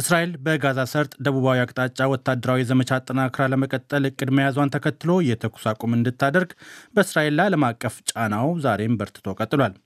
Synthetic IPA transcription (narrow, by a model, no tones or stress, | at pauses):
ʔɨsɾaʔe̞lbəɡazasəɾt̪ʼd̪əβuβawiakʼt̪ʼat͡ʃʼːawɔt̪ʰːad̪əɾawizəmət͡ʃat̪ʼːənakʰɾaləməkʼət̪ʼːəlɨkʼːɨd̪məjazwant̪ʰəkʰət̪ːɨlo̞jɛt̪ʰəkʰu̥sakʷʼomɨnd̪ɨt̪ʰːad̪əɾɡbəɨsɾaʔe̞lːaləmakʼːəft͡ʃʼanawzaɾe̞mbəɾt̪ʰɨ̥t̪ʰo̞kʼət̪ʼːɨlwal